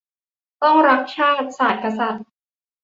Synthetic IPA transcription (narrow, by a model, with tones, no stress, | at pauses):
t̪ɔ˥˩ŋɾa˦˥k̚t͡ɕʰaː˥˩t̪̚saː˨˩t̪̚ka˧sa˨˩t̪̚